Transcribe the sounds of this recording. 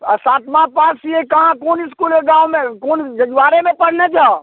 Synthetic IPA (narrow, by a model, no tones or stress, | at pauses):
əsaːt̪mãpaːsiekəɦãkoːnɪskuleɡãwmẽkond͡ʒəd͡ʒʋaːɾemẽpəɽ̤ned͡ʒaː